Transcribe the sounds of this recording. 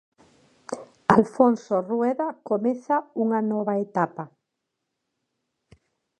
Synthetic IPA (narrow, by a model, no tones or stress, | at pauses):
alfonsorwɛðakomeθauŋanɔβaet̪apa